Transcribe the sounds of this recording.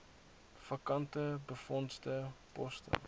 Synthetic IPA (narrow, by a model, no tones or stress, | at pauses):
fɐkɐntəbəfɔnstəpɔstə̰